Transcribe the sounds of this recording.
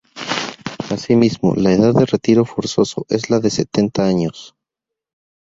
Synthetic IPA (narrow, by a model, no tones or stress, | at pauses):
asimizmo̰laeðaðːe̞re̞t̪iɾo̞fo̞ɾso̞so̞̰ʔe̞zlaðe̞se̞t̪e̞nt̪aaɲo̞s